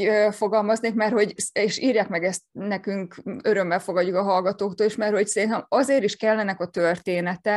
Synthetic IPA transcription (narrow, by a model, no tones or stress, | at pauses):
øfo̞ɡɒlmɒzneːkmɛrho̞ɟeːʃiːrjaːkmɛɡɛst̪nɛkyŋkø̞ɾø̞mːɛlfo̞ɡɒɟːukɒɦɒlɡɒt̪oːkt̪oːliʃmɛrho̞csɛɾint̪ɛmɒzeːɾiʃkɛlːɛnɛkɒt̪ørt̪eːnɛt̪ɛ